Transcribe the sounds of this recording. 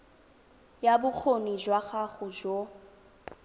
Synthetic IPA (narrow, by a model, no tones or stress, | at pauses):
jabʊk͡xʰonid͡ʒwaχaχʊd͡ʒo